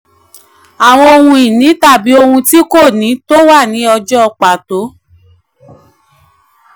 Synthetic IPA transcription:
a˨w̃ɔ̃˧o˧hũ˧i˨nĩ˨˦ta˦˨bi˨˦o˧hũ˧ti˦ko˦˨nĩ˨˦to˦wa˦˨nĩ˨˦ɔ˧d͡ʒɔ˦ɔ˧k͡pa˨to˨˦

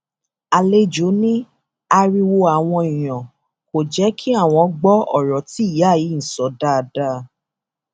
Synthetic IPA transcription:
a˨le˦d͡ʒo˨˦nĩ˦ | a˧ɾi˧wo˧a˨w̃ɔ̃˧i˨j̃ɔ̃˨ | ko˨d͡ʒɛ˨˦kʰi˦a˦˨w̃ɔ̃˧ɡ͡bɔ˦ɔ˦˨ɾɔ˨ti˨˦˨ja˨˦˨ji˨˦n̩˨sɔ˨˦da˦˧da˦˧˦

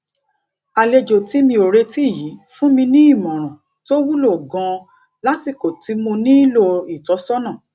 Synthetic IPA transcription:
a˧˨le˧d͡ʒo˨ti˨˦mĩ˧o˨ɾe˧ti˦˨ji˨˦fũ˦mĩ˧nĩ˦i˦˨mɔ̃˨ɾ̃ã˨ | to˦wu˦lo˦˨ɡã˧ | la˦tsi˦˨ko˨ti˨˦mõ˧nĩ˦i˦lo˧i˨tɔ˨˦sɔ˦nã˦˨

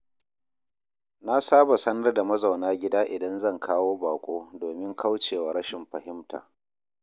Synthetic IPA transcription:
na˦saː˦ba˨sɐ˦nɐ˦rda˨mɐ˦za˨wnaː˦ɡʲɪ˦daː˦ʔɪ˨dɐ˦nzɐ˦˨ŋkʰaː˦woː˦baː˨kʷʼoː˦doː˨mɪ˦ŋkʰa˦wt͡ʃeː˨waː˨ɽɐ˦ʃɪ˨mɸɐ˨hɪ˦mtʰa̰ː˨

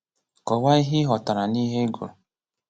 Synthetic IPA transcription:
kɔ˨wa˦i˦ɦi˦ɦɔ˨ta˨ɾa˨ni˦ɦe˦ɡo̰˨ɾ

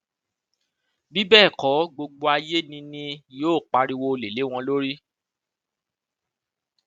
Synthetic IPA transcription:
bi˦bɛ˦˨kɔ˨˦ɡ͡bo˧ɡ͡bo˧a˧je˦nĩ˧nĩ˧joː˦˨k͡pa˧ɾi˧wo˧o˧le˨le˨˦w̃ɔ̃˧lo˦ɾi˦

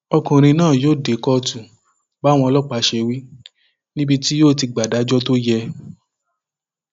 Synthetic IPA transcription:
ɔ˧kũ˨ɾ̃ĩ˧nãː˦˨joː˦˨de˨kɔ˦˧tũ˨ | ba˨˦w̃ɔ̃˧lɔ˦k͡pa˧˦ʃe˧wi˦ | nĩ˦bi˧ti˦joː˦˨ti˧ɡ͡ba˨da˨˦d͡ʒɔ˦to˦jɛ˧

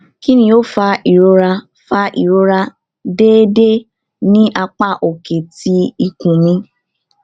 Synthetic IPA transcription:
ki˦nĩ˧˦o˦fa˧i˨ɾo˧ɾa˧ | fa˧˦ʔḭ˨ɾo˧ɾa˧ | de˦de˦ | nĩ˦ʔa˧k͡pa˦˨ʔo˨ke˨ti˧˦i˨kũ˨mĩ˧˦

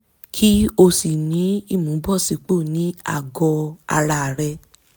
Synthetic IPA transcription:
kʰi˦o˧si˨nĩ˨˦i˦˨mũ˨˦bɔ˦˨si˨˦k͡po˦˨nĩ˨˦a̰˦˨ɡɔ˧a̰˧ɾa˧˨ɾɛ˧

